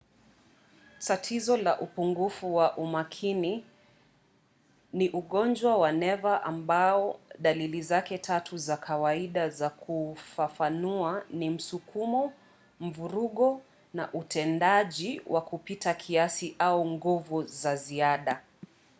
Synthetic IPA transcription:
tatʰizɔlaʔupuŋɡufuwaʔumakʰini | niʔuɠɔnd͡ʒwawanɛvaʔambaɔɗalilizakɛtʰatʰuzakʰawaiɗazakʰufafanuanim̩sukumɔ | m̩vuɾuɠɔ | naʔutʰɛndaʄiwʔakupitakʰiasiʔauŋɡuvuzaziaɗa

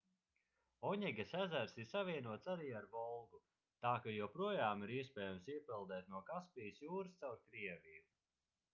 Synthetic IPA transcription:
ɔɲɛɡʲasæzæɾsiɾsavʲiɛnuɔt̪saɾiːaɾvɔlˠɡu | t̪aːkajuwpɾuɔjaːmiɾiɛspɛːjɛmsiɛpilˠd̪ɛːt̪nuɔkaspʲijsjuːɾst̪sawɾkɾiɛviju

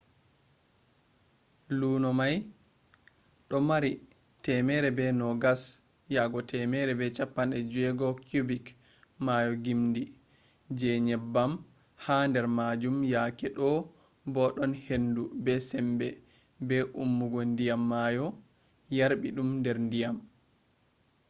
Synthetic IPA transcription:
luːnɔmaj | ɗɔmaɾi | tɛmɛɾɛbɛnɔɡas | jaɡɔtʰɛmɛɾɛbɛt͡ʃapːanɛd͡ʒɛɡɔkubik | majɔɡimndi | d͡ʒɛɲɛbːam | handɛɾmad͡ʒumjakɛɗɔ | bɔɗɔnhendubɛsɛmbɛ | bɛʔumːuɡɔndijamːajɔ | jaɾbiɗumndɛɾndijam

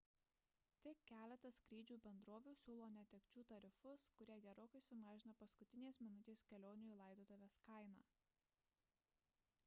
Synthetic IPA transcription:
t̪ʲɪkʲæːlʲɛt̪ɐsʲkɾʲiːd͡ʒʲuːbʲɛnd̪ɾoːʋʲuːsʲuːlˠoːnʲɛt̪ʲɛkʲt͡ʃʲuːt̪ɐɾʲɪfʊskʊɾʲiɛɡʲɛɾoːkɐɪsʊmɑːʒʲɪnɐpɐskʊt̪ʲɪnʲeːsmʲɪnʊt̪ʲeːskʲɛlʲoːnʲɪjuːlˠɐˑɪd̪oːd̪oʋʲeːskɐɪnɑː

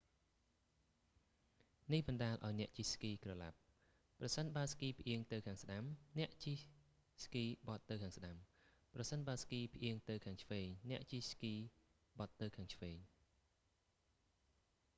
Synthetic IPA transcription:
nihɓɑnɗaːlʔa̰ɔjnɛ̆əʔt͡ɕiskiːkrɑla̰p̚ | prɑsənɓaəskiːpʰʔiəŋt̪ɨwkʰaːŋsɗamnɛ̆əʔt͡ɕi | skiːɓɑt̪ːɨwkʰaːŋsɗam | prɑsənɓaəskiːpʰʔiəŋt̪ɨwkʰaːŋt͡ɕʰʋeːŋnɛ̆əʔt͡ɕiskiː | ɓɑt̪ːɨwkʰaːŋt͡ɕʰʋeːŋ

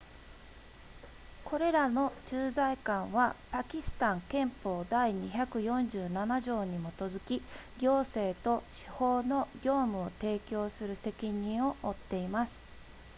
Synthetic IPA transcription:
kʰo̞ɾe̞ɾano̞t͡ɕɨːzaikãɰ̃βapakʲisɨ̥t̪ãŋkẽ̞mpo̞ːd̪aiɲ̟içakɯ̟jõ̞ɲ̟d͡ʑɨːnanaʑo̞ːɲ̟imo̞t̪o̞zɨkʲiɡʲo̞ːse̞ːt̪o̞ɕi̥ho̞ːno̞ɡʲo̞ːmɯ̟o̞t̪e̞ːkʲo̞ːsɨɾɯ̟se̞kʲiɲ̟ĩɰ̃o̞ʔot̪ːe̞imasɨ̥

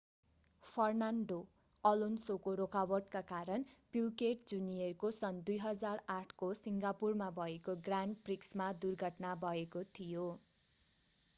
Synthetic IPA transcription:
pʰʌrnanɖo | ʌlonsokoɾokawʌʈ̚kakaɾʌnpikeʈd͡zuniʌrkosʌnd̪ujɦʌd͡zaraʈʰkosiŋɡapurmabʱʌekoɡranɖpriksmad̪urɡʱʌʈnabʱʌekot̪ʰijo

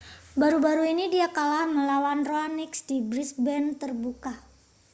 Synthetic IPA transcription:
baɾubaɾuinidiakalahməlawanroanɪksdibɾisbɛnt̪ərbuka

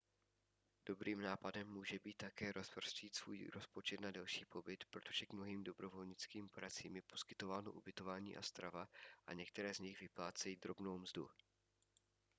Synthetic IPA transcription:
d̥o̞bɾʔiːmnaːpadɛmːuːʒɛbiːt̪ːakɛːɾʔo̞spr̩sciːt̪sv̥ṵːjɾo̞spo̞t͡ʃɛt̪nadɛlʃiːpo̞bɪt̪pɾot̪o̞ʒ̥ɛɡmno̞ɦiːmdo̞bɾo̞vo̞lɲɪt͡skiːmpoɾat͡siːmjɛpo̞̥skɪt̪o̞vaːno̞ʔubɪt̪o̞vaːɲḭːʔa̰st̪ɾavaʔa̰ɲɛk̚t̪ɛɾɛːzɲɪxvɪplaːt͡sɛjiːd̪ɾo̞bno̞wmzdṵ

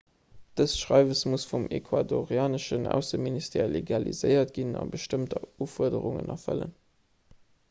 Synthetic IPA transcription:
d̥əsʃʁɑɪvəsmusfumekʰwadoʁiaːnəʃənæʊsəministʰeːleɡɑlḭzəɪjɐtɡ̥inɑ̰bəʃtəmtɐuːfuɐdəʁuŋə̰nɑfə̰lə̰n

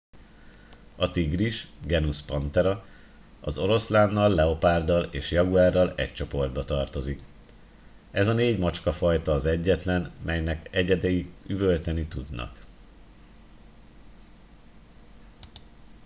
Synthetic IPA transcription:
ɒt̪iɡriʃɡɛnuspɒnt̪ɛɾɒ | ɒ̰zo̞ɾo̞slaːnːɒlːɛo̞paːrd̪ɒlḛːʃjɒɡuaːrːɒlɛ̰ct͡ʃo̞po̞rd̪̚bɒt̪ɒrt̪o̞zik | ɛzɒneːɟmɒt͡ʃkɒfɒjt̪ɒːzɛɟːɛt̪lɛnmʔɛjnɛkɛɟɛd̪ɛjiɡyvølt̪ɛnit̪ud̪nɒ̰k

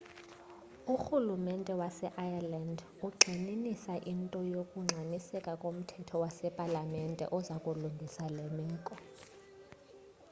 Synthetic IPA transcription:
uxulumɛntʼɛwasɛʔajaland | uɡ͡ǀʱininisaʔintʼɔjokʼuŋ͡ǀʱanisɛkʼakʼom̩tʰɛtʰɔwasɛpʼalamɛntʼɛ̰ʔɔzakʼuluŋɡʱisalemiːkʼɔ

